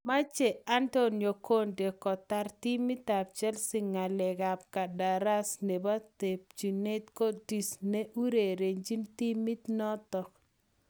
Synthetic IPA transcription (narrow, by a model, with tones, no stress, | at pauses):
ma˦t͡ʃe˨a˦nto˦njo˨kʰo˦nde˨kɔ˨t̪a˦ɾti˦mi˦t̪a˨p̚t͡ʃɛ˦lsɪ˦ŋa˨lɛ˨ɡa˨p̚ka˨da˨ɾa˦sne˨ba˦t̪e˨p̚t͡ʃi˨ne˦t̪ko˦di˨sne˦ʔu˦ɾe˨ɾe˨ɲd͡ʒi˦nti˦mi˦t̪nɔ˦t̪ɔ˨k